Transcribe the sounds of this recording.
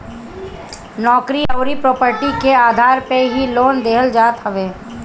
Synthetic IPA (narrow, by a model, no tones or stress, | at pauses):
nɔːkɾiɔːɾipɾoːpəɾʈikeaːd̪ʱaːɾpeɦiloːnd̪eɦəld͡ʒaːt̪ɦəʋeː